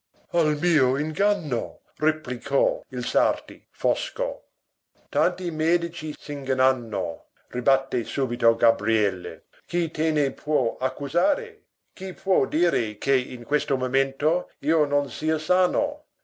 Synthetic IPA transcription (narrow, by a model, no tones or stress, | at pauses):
almiːoiŋɡanːo | replikʰɔilsart̪i | fɔsko̰ | t̪ant̪imɛːd̪it͡ʃisiŋɡananːo̰ | ribat̪ːesuːbit̪oɡabɾiɛlːḛ | kit̪eːnepʰwɔakːuzaːɾe | k̟ipʰwɔd̪iːɾekʰeinkwest̪omoment̪oiːononsiːasaːno̰